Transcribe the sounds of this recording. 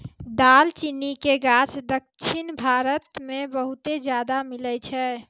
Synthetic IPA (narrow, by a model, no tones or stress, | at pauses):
d̪alt͡ʃinikeɡat͡ʃd̪əkt͡ʃʰinbʱaɾət̪mẽbəɦut̪ed͡ʒjad̪amilət͡ʃʰɛ